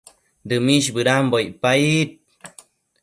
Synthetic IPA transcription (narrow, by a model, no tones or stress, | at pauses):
d̪ɨmiɕbɨɾambojpait̪̚